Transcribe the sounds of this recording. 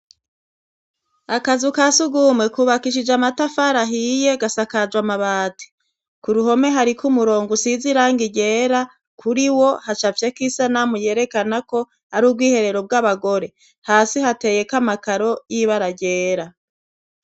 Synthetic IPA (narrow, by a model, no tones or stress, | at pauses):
akazukasuɡumŋe̞kuβakiʃid͡ʒamatafaɾaɦije̞ɡasakad͡ʒwamaβaːtʰi̥ | kuɾuho̞me̞ɦaɾikʰumuɾo̞ːŋɡusiziɾaːŋɡiɟe̞ːɾa | kʰuɾiwo̞hat͡ʃavjekisanamuje̞ːɾe̞kanako̞ | aɾuːb̚ɡwiːhe̞ɾe̞ɾo̞b̚ɡaβaɡo̞ɾe̞ | haːsihate̞ːje̞kamakaɾo̞jiβaɾaɟe̞ːɾa